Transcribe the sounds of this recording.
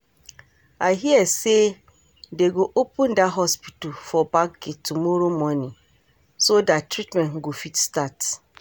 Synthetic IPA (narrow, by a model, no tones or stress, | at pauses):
aɦiɛse | deɡoʔopʰũndaɦɔspitufɔbak̚ɡetʰumɔɾomɔ̃nĩ | sodatʰɾitmɛ̃n̩ɡofitstat